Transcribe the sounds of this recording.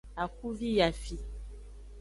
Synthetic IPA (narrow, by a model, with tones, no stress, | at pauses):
a˨ku˦vi˦ja˨fi˨